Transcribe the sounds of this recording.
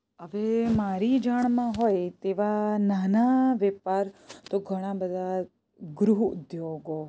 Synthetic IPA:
əʋemaɾid͡ʒaɳmãɦojt̪eʋananaʋɛpaɾt̪oɡʱəɽ̃ãbəd̪ʱa | ɡɾuɦʊ̰d̪joɡo

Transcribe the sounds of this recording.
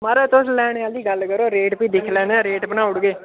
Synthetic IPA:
maːɾɛːt̪oslɛːɽ̃ed̪iːɡəlkəɾoːɾeːʈpiːd̪ɪkʰlɛːnãːɾeːʈpənaːʊɽɡeː

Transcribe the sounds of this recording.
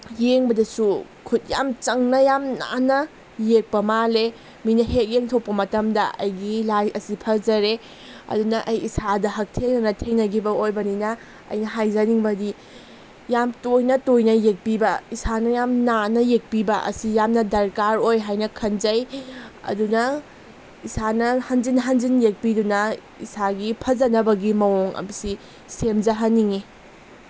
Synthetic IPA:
jeŋbɐdɐsu | kʰut̚ja̰mt͡ʃɐŋnɐjamna̰nɐ | jek̚pɐmale | minɐhek̚jeŋtʰopːɐmɐtɐmdɐʔɐ̰jɡilajɐsipʰɐzɐɾe | ɐ̰dunɐʔɐjisʰadɐɦɐk̚tʰeŋnɐnɐtʰeŋnɐɡibɐojbɐninɐ | ɐ̰jnɐɦajzɐniŋbɐdi | jamtojnɐtojnɐjek̚pibɐisanɐjamnanɐjek̚pibɐʔɐ̰sijamnɐdɐɾkaɾojɦajnɐkʰɐnzɐjɐ̰dunɐ | isanɐhɐnzinɦɐnd͡ʒinjek̚bidunɐ | ḭsaɡipʰɐzɐnɐbɐɡimɐwoŋɐ̰bisi | semzɐɦɐniŋi

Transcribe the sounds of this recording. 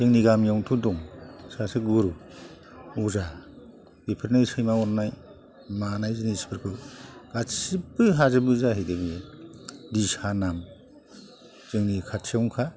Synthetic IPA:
zɯŋniɡamjawŋtʰuduŋsasɯɡuɾu | uza | b̥ipʰɯɾnajsɯjmaɔɾnaj | manajzinispʰɯɾkʰɯɡ̥asibɯɦazɯbɯzaɦejdebi | dishanam | zɯŋnikʰatsʰawŋkʰa

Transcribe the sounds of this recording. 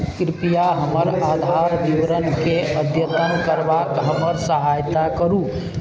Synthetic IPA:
kɾipijaɦəməɾad̪ʱaɾbiʋɾənkeʔəd̪ʱjət̪ənkəɾbakɦəməɾsəɦajt̪akəɾu

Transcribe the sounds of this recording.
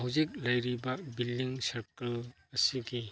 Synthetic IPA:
ɦɐwzik̚lɐjɾibabilːiŋsɐɾkɐl | ɐsiɡi

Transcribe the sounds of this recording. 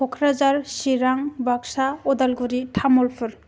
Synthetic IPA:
ɔkʰɾad͡ʒaɾsiɾaŋbaksaɔdalɡuɾitʰamɔlpʰɯɾ

